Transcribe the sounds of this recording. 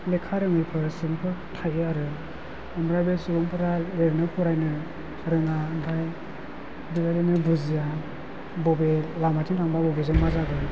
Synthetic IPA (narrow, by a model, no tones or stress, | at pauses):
lekʰaɾɯŋɯjpʰɯɾsɯŋpʰɯtʰajɯaɾɯ | ɯmɾabesuɾɔŋpʰɯɾaleɾnɯpʰɯɾajnɯ | ɾɯŋandʰaj | dɯɡajdɯnɯbuzija | bɔbelamatʰintʰaŋbabɔbezɯŋmazaɡɯ